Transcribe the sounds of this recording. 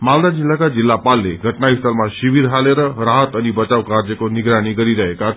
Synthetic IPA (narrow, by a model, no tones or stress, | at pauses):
mald̪ad͡ʒilːakad͡ʒilːapalːeɡʱəʈnaist̪almãʃiʋiɾɦaleɾəɾaɦət̪ənibət͡ʃaʋkaɾd͡ʒəkonɪɡɾaɽ̃ikəɾiɾəɦeka